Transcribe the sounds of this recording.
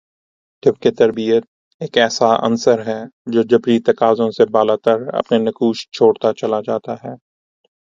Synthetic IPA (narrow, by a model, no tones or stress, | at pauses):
ʈʰɪbket̪ɐɾbijət̪̚ | eːkɛːsaʔɐ̰nsəɾɦɛːd͡ʒoːd͡ʒɐbɾit̪ɐkaːzõsebaːlaːt̪əɾɐ̰pnenɐkuːʃt͡ʃʰoːɽt̪at͡ʃɐlad͡ʒaːt̪aɦɛː